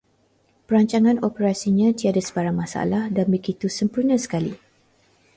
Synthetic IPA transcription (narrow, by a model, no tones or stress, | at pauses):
pəɾaɲt͡ʃaŋãnopəɾasiɲãt̪iadasə̥baɾaŋmãsa̰lahdanbəɡit̪usəmpurnasə̥kalḭ